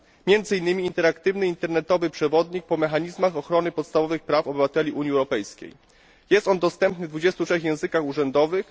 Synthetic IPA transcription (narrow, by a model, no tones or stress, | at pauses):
mʲjɛnd̪zɘinːɘmʲiːnt̪ɛɾakt̪ɘvnɘint̪ɛɾnɛt̪ɔvɘpʂɛvɔd̪ɲik̚pɔmɛxaɲizmaxɔxɾɔnɘpɔt̪st̪avɔvɘxpɾafɔbɘvat̪ɛlʲiʔuɲiɛwɾɔpɛjskʲḛj | jɛst̪ɔnd̪ɔst̪ɛmpnɘvd̪vud͡ʑɛst̪utʂɛxjɛ̃w̃zɘkaxuʐɛnd̪ɔvɘx